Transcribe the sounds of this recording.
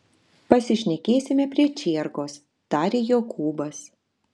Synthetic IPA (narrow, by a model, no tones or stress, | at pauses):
pɐsʲɪʃʲnʲɛkʲeːsʲɪmʲɛpʲɾʲiɛt͡ʃʲiːɾɡoːs | t̪ɑːɾʲeːjoːkʰuːbɐs